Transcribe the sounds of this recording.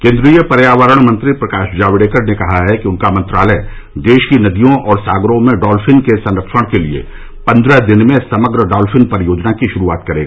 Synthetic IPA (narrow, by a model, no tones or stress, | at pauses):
kẽːnd̪ɾijəpɐɾjaːʋəɾəɽ̃mɐ̃nt̪ɾipɾɐkaːʃd͡ʒaːʋɪɽeːkəɾnekɐɦaɦɛkiʊnkamɐ̃nt̪ɾaːlɛ | d̪eːʃkinɐd̪ijõʔɔːɾsaːɡɾõmẽɖɔːlfʰɪnkesɐ̃nɾəkʃəɽ̃keliḛ | pɐ̃nd̪ɾəd̪ɪnmẽsɐməɡɾəɖɔːlfɪnpɐɾjoːd͡ʒnakiʃʊɾuaːt̪kɐɾeːɡaː